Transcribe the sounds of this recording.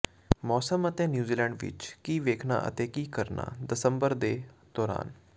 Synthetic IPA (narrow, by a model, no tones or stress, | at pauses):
mɔːsəmət̪ẽːnjuːziːlɛ̃ːɳɖʋɪ̰t͡ʃkiːʋeːkʰna̰ːʔə̰t̪ẽːkiːkəɾna̰ːd̪əsəmbəɾd̪eːd̪̥ɔːɾa̰ːn